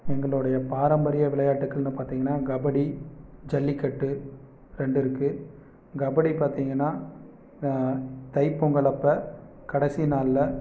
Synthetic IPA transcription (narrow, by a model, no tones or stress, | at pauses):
ɛŋɡɐɭɯɽɐjɐpaːɾɐmbɐɾɪjɐʋɪɭɐjaːʈːɯkːɐɭnɯpaːɾt̪iːŋɡɐnːaːɡɐbɐɽid͡ʒɛlːikːɐʈːɯ | ɾɛɳɖɪɾɯkːɯ | ɡɐbɐɽipaːɾt̪iːŋɡɐnːaː | t̪ɐɪpːɔŋɡɐɭɐpːɐ | kɐɽɛsinaːllɐ